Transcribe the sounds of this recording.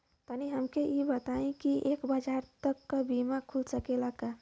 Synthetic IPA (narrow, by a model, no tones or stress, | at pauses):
t̪aniɦəmkejebət̪aẽkiʔeːkbad͡ʒaːɾt̪əkːabimakʰulsəkelaka